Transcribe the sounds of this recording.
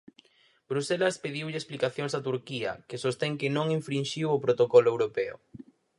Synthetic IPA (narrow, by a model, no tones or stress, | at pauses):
bɾuselɐspeðiwʎɪesplikaθjoŋsat̪uɾkiɐ̰kɪsost̪eŋkɪnõŋiɱfɾinʃiwopɾot̪okɔloewɾopeʊ̰